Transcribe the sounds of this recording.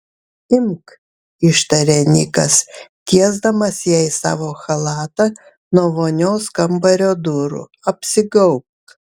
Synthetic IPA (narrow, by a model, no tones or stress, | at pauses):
ɪmk | ɪʃt̪ɐɾʲɛnʲiːkɐst̪ʲiɛzd̪ɐmɐsjɛɪsɑ̰ːʋoːxɐlˠɑːt̪ɐ | noːʋoːnʲoːskɐmbɐɾʲoːd̪ʊɾʊ̰ | ɐpʲsʲɪɡɐʊp̚t̪